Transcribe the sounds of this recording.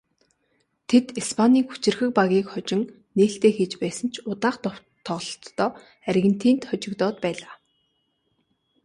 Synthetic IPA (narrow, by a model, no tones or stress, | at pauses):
t̪ʰet̪ispʰaniːxu̥t͡ɕɪ̆rxɘ̆k̚paɣʲiːkχɔt͡ɕɪ̆ŋ | neːɬt̪eːxeːt͡ɕpæːsə̆n̥t͡ɕʰʊt̪aːχt̪ɔ | t̪ʰːɔɮɞ̆ɬt̪ːɔː | ærɣɘ̆n̥t̪ʰiːnt̪χɔt͡ɕɪ̆kt̪ɔːt̪pæːɮaː